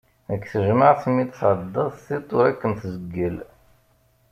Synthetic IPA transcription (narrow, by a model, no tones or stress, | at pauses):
əkːθəʒməʕθmit̪θʕəd̪ˤːɑðˤθit̪ˤːʊɾækːəmθzəɡːəl